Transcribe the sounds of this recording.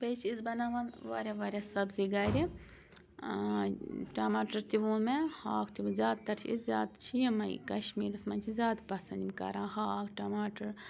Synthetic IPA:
bet͡ʃʰisbɐnaʋɐnʋa̰ːɾʲaʋaːɾʲasɐbziɡaːɾi | ʈɐmaːʈɐɾt̪iʋũːnmehaːkʰt̪iʋunzʲjaːd̪t̪ɐɾt͡ʃʰiizʲaːd̪t͡ʃʰijmɐj̰kɐʃmiːɾɐsmɐnʲt͡ʃʰizʲjaːd̪pɐsɐnd̪ʲimʲkɐ̰ɾãːnhaːkʈɐmaːʈɐɾ

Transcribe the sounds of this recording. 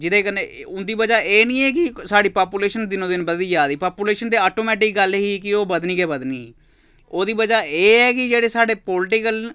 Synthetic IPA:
d͡ʒɪd̪eːkəneʊnd̪iːbəd͡ʒaːeːnĩːɛːkɪsaːɽiːpaːpuːleːʃənd̪ɪnõːd̪ɪnbəd̪iːd͡ʒaːd̪iːpaːpuːleːʃənd̪eːaːʈoːmɛːʈɪkɡəlɦiːkɪoːbəd̪niːɡɛːbəd̪niːiː | oːd̪iːbəd͡ʒaːeːɛːkɪd͡ʒeːɽeːsaːɖeːpoːlɪʈɪkəl

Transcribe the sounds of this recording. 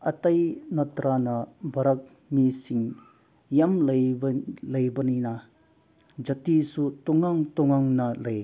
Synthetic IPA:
ɐtɐjnɐtɾanɐbʱɐɾɐk̚ | misiŋ | jamlɐjlɐjbɐninɐ | d͡ʒɐtisutɔŋaŋtɔŋaŋnɐlɐj

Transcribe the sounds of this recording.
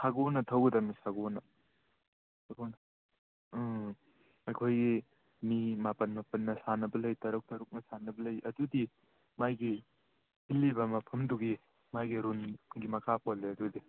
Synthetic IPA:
sʰaɡonɐtʰɐwɡɐdɐmisaɡonɐ | saɡonɐ | ɐjkʰojɡi | mimapɐnmapɐnːɐsanɐbɐlɐjtɐɾuk̚tɐɾuk̚nɐsanɐbɐlɐjʔɐdudi | majɡi | hilːibɐmapʰɐmduɡi | majɡiɾunɡimɐkʰap̚olːeɐdudi

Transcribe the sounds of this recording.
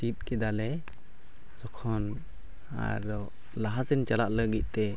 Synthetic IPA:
ʈit̪̚kɛd̪alɛ | d͡ʒɔkʰɔn | a̰ɾɔ | laɦasint͡ʃalaʔləɡic̪̚ˀt̪ɛ

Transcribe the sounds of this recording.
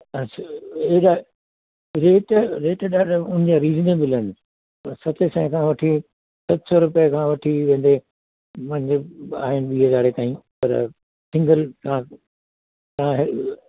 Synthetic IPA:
ɐaeɗa | ɾeːʈɾeːʈɗaːɖʊnɪ̃d͡ʑaɾiːzneːbɪlən | sɐt̪ʰesɛ̃ːɦkʰãʋɐʈʰi | sɐt̪sɔɾʊpijəkʰãːʋɐʈʰiʋẽːn̆d̪e | mɐ̃ɪ̃ɲd͡ʑea̰ːɦɪnɪɓiːɦəzaːɾet̪aːɦĩːpɐ̰ɾ̰ | sɪ̃ŋɡəlt̪ãː | t̪ɐãɦɪ

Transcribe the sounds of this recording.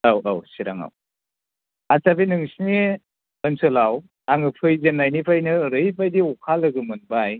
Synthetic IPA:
awawsiɾaŋa̰w | asabinɯŋsini | ɯnsɯlaw | aŋɯpʰɯjzenːajnipʰajnɯɾɯjpʰajdiɔkʰalɯɡɯmɯnbaj

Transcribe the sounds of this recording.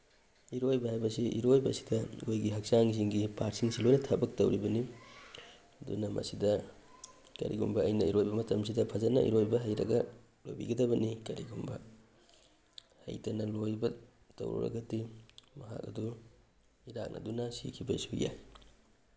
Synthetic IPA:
iɾojbɐhajbɐsiʔiɾojbɐsi̥dɐojɡiɦɐk̚saŋziŋɡipaɾ̚siŋsilojnɐtʰɐbɐk̚tɐwɾibɐni | ɐdṵnɐmɐ̰sidɐ | kɐ̰ɾḭɡumbɐɐjnɐiɾojbɐmɐtɐms̬idɐpʰɐzɐt̚nɐ̰ʔḭɾojbɐɦɐjɾɐ̰ɡɐ | lojbḭɡɐdɐbɐnikɐɾiɡumbɐ | hɐ̰jtɐnɐlojbɐ | tɐ̰wɾṵɾɐ̰ɡɐtimɐɦa̰k̚ɐ̰du | iɾak̚nʔɐ̰dunɐsḭkʰibɐisuja̰j

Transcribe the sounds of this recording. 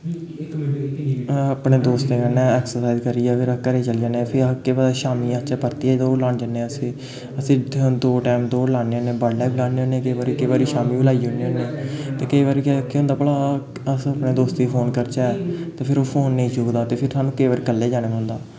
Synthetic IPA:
aːpɳeːd̪oːst̪ẽːkənɛ̃ːɛːksəɾsaːɪzkəɾiːɛːpʰɪɾəkəɾeːt͡ʃəld͡ʒaːneːpʰɪɾkeːʋaʃaːmiːãt͡ʃɛːpəɾt̪iːɛːd̪oːlaːɳd͡ʒanesĩː | əsĩːd̪nt̪oːʈɛːmt̪õːlaːneːõnẽːbəɽlɛːblaːneːõnẽːkəiːʋaːɾiːkəiːʋaːɾiːʃaːmiːbəlaːiʊneõnːeːt̪eːkəiːʋaːɾiːkːkeõnd̪aːpəlaː | əsəpneːd̪oːst̪iːpʰoːnkəɾt͡ʃaːɛt̪eːpʰɪɾoːpʰoːnːəĩːd͡ʒoːɡd̪aːt̪eːpʰɪɾsaːnũːkəiʋaːɾeːkəlːeːd͡ʒaːnẽːʊ̃nd̪aː

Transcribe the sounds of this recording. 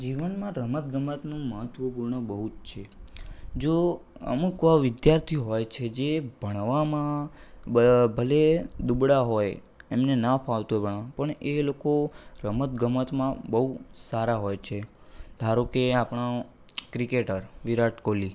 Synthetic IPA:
d͡ʒiʋənmãɾəmət̪̚ɡəmət̪nũməɦət̪ʰʋəpuɾɳəbəɦut̪t͡ʃʰe | d͡ʒoə̰mukʋaʋɪd̪jaɾt̪ʰioɦojt͡ʃʰed͡ʒebʱəɽ̃ʋamã | bʱəled̪ubɽaɦoj | emnenapʰaʋt̪uebʱəɳãpəɳelokoɾəmət̪ɡəmət̪mãbəɦusaɾaɦojt͡ʃʰe | d̪ʱaɾokeapɽ̃ã | kɾikeʈəɾʋiɾaʈʰkoli

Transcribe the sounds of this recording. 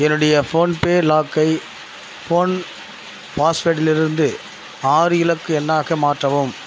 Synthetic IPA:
ɛnːɯɽɐjɐfoːnpeːlaːkːɐɪ | foːn | paːsfeːʈːɪlɪɾɯnd̪ɯ | aːɾɯjɪlɐkːɯɛnːaːɣɐmaːʈrɐʋɯm

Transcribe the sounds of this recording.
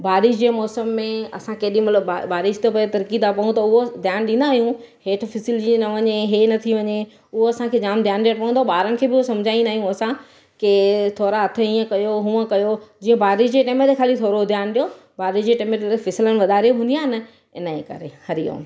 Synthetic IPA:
baːɾɪʃd͡ʑẽːmɔːsəmːẽɐ̰sãkeːɗĩmɐt̪ləbabaːɾɪʃt̪opɐet̪ɐɾkiːd̪apɐɦũt̪ɐʊɦod̪ʱjaːnɗĩnd̪aːɦijũ | heːʈ̆ʰfɪsɪld͡ʑinɐʋɐɲeɦeːnɐt̪ʰiʋɐɲe | ʊɦoɐsãkʰeːd͡ʑaːmd̪jaːnɗijəɽpɐɦũnd̪oɓaːɾənɪ̆kʰeːbɪʊɦosɐ̃md͡ʑʱaːĩndaːɦijũɐsã | kɪt̪ʰoːɾaɐt̪ʰəiːə̃kɐjoɦũːə̃kɐjod͡ʑĩːə̃baːɾɪʃd͡ʑeʈeːmət̪ekʰaːlit̪ʰoːɾod̪ʱjaːnɗijo | baːɾɪʃd͡ʑeʈeːmət̪elɐkfɪsɪlənɪ̆ʋɐd̪ʱaːɾijoɦũnd̪ijaːɦɪnɐ | ɪnəẽkɐ̰ɾḛhɐɾijõ̰ː

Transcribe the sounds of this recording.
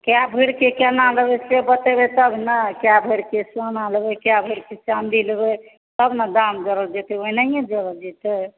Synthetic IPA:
kjabʱəɾkekanalebesebət̪ebet̪əbʱnakjabʱəɾkesanalbekjabʱəɾket͡ʃand̪ilbe | t̪əbnad̪amd͡ʒəɾəld͡ʒet̪eoinaiẽd͡ʒəɾəld͡ʒɛt̪e

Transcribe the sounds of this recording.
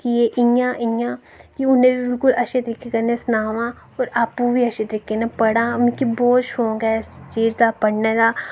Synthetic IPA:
kijeʔɪ̃ãːʔɪ̃ãː | kiʊnẽbʱibɪlkʊlɐʃet̪ɾɪkekɐɾnesnaːʋãː | ɔːɾaːpubʱiɐʃet̪ɾɪkenapɐɽãːmkibɔːt̪ʃoːɡɛst͡ʃiːd͡ʒd̪aːpɐɽned̪aː

